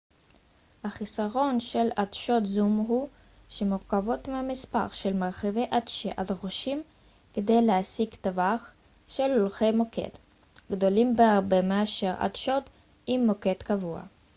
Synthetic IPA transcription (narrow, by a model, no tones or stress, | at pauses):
haχisaʁo̞nʃe̞ladʃo̞t̪zumɦu | ʃemuʁkavo̞tmeamispa̰ʁʃelmaʁχevejʔadʃeʔalʁoʃim | kede̞jleasiɡt̪avaχ | ʃelolχejmokʰḛt | ɡdo̞limbeaʁbe̞meaʃe̞ʁa̰dʃo̞t̪ | imːo̞ke̞t̪kavua̰